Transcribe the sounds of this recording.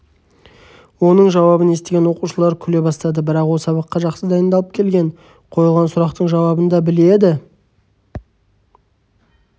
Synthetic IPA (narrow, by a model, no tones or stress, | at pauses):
wo̞nəɴʒɑwɑbəne̞st̪eɡʲe̞nwo̞quʃəlˠɑɾkʲʰʏle̞bɑst̪ɑd̪əbɪɾɑqwolˠsɑβɑqːɑʒɑqsəd̪ɑjənd̪ɑlˠəp̚kʲʰe̞lɡʲe̞ɴ | qʰo̞jəlˠʁɑnsʊɾɑqt̪əɴʒɑwɑbənd̪ɑbɪle̞d̪ɪ